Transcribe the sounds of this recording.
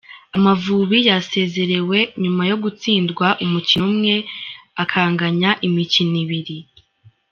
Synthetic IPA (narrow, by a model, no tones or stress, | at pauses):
amavuːβijase̞ːze̞ɾe̞we̞ɲumajo̞ɡut͡siːndɡwaʔumuciumŋe̞akʰaːŋɡaɲaʔimiciniβiɾi